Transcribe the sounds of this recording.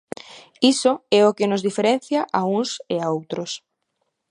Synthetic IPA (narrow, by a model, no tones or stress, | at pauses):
isoɛʊkɪnozðifeɾen̟θjaʔauŋseaowt̪ɾʊs